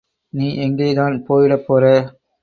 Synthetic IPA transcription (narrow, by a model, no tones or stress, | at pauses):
niːʔɛŋɡeːðaːnpoːjɪɽɐpːoːɾɐ